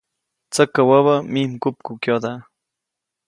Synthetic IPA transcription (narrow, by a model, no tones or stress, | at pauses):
t͡sakːawaβamimkʊp̚kukjod̪a